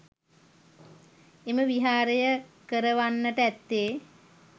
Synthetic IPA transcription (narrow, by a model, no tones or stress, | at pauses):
eməʋiɦaːɾəjəkəɾəʋanːəʈəæt̪ːeː